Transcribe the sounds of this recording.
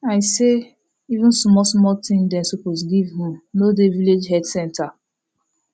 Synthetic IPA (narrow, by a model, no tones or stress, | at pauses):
aɪse | ivũnsmɔsmɔtʰĩndɛ̃nsopos̬ɡivɦũnodeviled͡ʒɦɛdsɛ̃ntʰa